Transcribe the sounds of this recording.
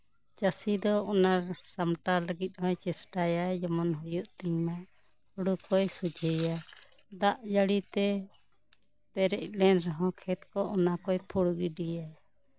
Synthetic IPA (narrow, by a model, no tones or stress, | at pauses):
t͡ʃasid̪ɔɔnaɾsamʈaləɡit̪̚ˀɦɔ̃jt͡ʃɛsʈajajd͡ʒɔmɔnɦɔjuʔt̪imaʔ | hɔɽukɔjsud͡ʒʱəjad̪aʔd͡ʒəɽit̪ɛ | pɛɾɛc̚lɛnɾɔɦɔ̃kʰɛt̪kɔʔɔnakɔjpʰuɽɡiɖijaj